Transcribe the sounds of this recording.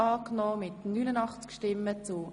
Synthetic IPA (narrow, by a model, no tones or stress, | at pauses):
ɑːknɔːmɪtnynənɑχt͡skʃtɪmːət͡sʊ